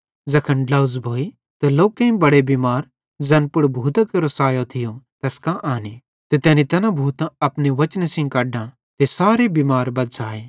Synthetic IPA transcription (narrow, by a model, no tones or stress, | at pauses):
zɐkʰənɖlɐʊzbʱoːi | t̪ɛloːkẽĩbɐɽebimaːɾ | d͡zɐ̃npʊɽbʱuːt̪akɐɾosaːjot̪ʰɪjõt̪ɛːskãʔaːni | t̪et̪ɛːnit̪ɐnãbʱuːt̪ãɐpneʋɐt͡ʃnesɪ̃ŋkaːɖã | t̪esaːɾebimaːɾbɐd̪saːeː